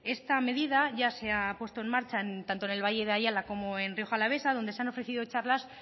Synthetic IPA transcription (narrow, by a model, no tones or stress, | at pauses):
e̞st̪ame̞ðið̞aʝase̞apwe̞st̪o̞e̞nmaɾt͡ʃaent̪ant̪oene̞lβaʝe̞ðeaʝalako̞moe̞nrio̞xalaβ̞e̞sað̞o̞nd̪eseanofɾe̞θiðo̞t͡ʃaɾlas